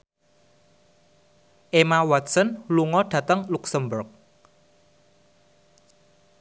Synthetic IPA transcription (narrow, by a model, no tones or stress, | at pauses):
ʔemawat̪̚sɔnluŋɔɖ̥ä̤t̪əŋluksəmbʊrk̚